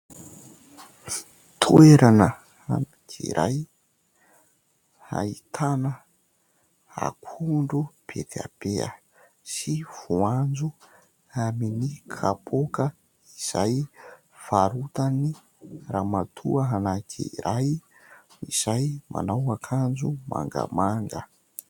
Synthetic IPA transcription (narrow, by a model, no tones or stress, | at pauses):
t̪ʰueɾanə | a̰nakʰḭɾʔa̰j | ha̰it̪ʰanə | a̰kʰuɳɖ͡ʐub̥ḛt̪ea̰b̥eə̰ | siv̥uand͡zu | aminikʰapʰokə | iz̥aj | faɾut̪ani | ramat̪ʰṵəɦanakʰḭɾaj | iz̥ajma̰nawakʰand͡ʒuma̰ŋɡa̰maŋɡə